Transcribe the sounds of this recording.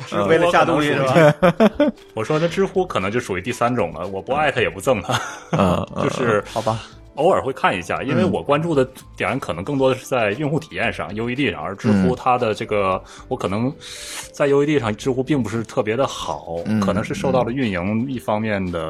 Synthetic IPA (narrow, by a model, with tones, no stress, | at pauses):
we˥˩ə˥ja˥˧t̪ʊ˥˧ŋ˥˧ʂɻ̩˥b | wɔ˨˩ʂwɔ˥ə˧ʈ͡ʂɻ̩˥xu˥kʰn˧˥ŋt͡ɕjo˥˧˩ʂu˨˩y˧˥t̪i˥˩sa˥nʈ͡ʂʊ̰˨˩ŋlə̰˦wɔ˨˩pu˧˥a˥˩ɪt̪ʰa˥jɛ˨˩pu˧˥t͡sɤ˥˩ŋt̪ʰə˧˩˧ | t͡ɕjo˥˧ʊʂɻ̩˥˩ɑ˨˩b | o˥ʊə˞˨˩xwe˥˧ɪkʰa˥˩nḭ˧˥ɕja̰˥˩i˥nwe˥˩ɪwɔ˨˩kwa˥nʈ͡ʂu˥˩d̪ə˩ | t̪jɛ˨˩ɻə˧˥nkʰnɤ˧˥ŋkɤ˥˩ŋt̪wɔ˥d̪ə˧ʂɻ̩˥˧t͡sa˥˧ɪy˥˧nxu˥˩t̪ʰi̥˨˩jɛ˥˧nʂɑ̰˥˩ŋjo˥ʊi˧˥t̪i˥˧ʂɑ̰˥˩ŋə˞˧˥ʈ͡ʂɻ̩˥xu˥t̪ʰa˥d̪ə˨ʈ͡ʂɤ˥˩ɡə˩ | wɔ˧˥kʰɤ˨˩nɤ˧˥ŋt͡sa˥˩ɪjo˥ʊi˧˥t̪i˥˧˩ʂɑ˥˩ŋʈ͡ʂɻ̩˥xu˥pi˥˩ŋp̬u˧˥ʂɻ̩˥˧t̪ʰɤ˥˩pjɛ˧˥d̪ə˧xɑ˨˩˦ʊkʰɤɤ˨˩nɤ˧˥ŋʂɻ̩˥˧ŋʂo˥˧ʊt̪ɑ˥˩ʊlə˩y˥˩nji˧˥ŋi˥˩fɑ˥ŋmjɛ˥˩nd̪ə˩